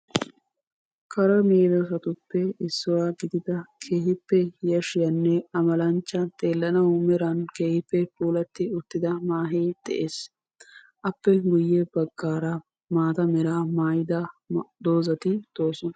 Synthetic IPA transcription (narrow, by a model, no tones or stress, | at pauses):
kɐɾɐmeːd̪ɐsɐt̪ʊpːɛɪsːʊwaːɡɪd̪ɪd̪ɐkʰeːhɪpːɛjɐʃɪjɐnːɛɐmɐlɐnt͡ʃːɐt̪ʼe̞ːlːɐnɐʊmɛɾɐnkeːhɪpːɛpuːlɐt̪ːɪʊt̪ːɪd̪ɐmaːɦeːd̪̥ɛ̰ʔeːs | ʔɐpːɛɡʊjːɛb̥ɐɡːaːɾɐ | maːt̪ɐmɛɾaːmaːjɪd̪aːd̪o̞ːzɐt̪ɪd̪̥o̞ːsʊnɐ